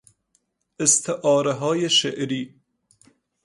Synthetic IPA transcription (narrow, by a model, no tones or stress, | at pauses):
ɪst̪ʰɪʔɑːɾaɦɑːjeʃeʔɾi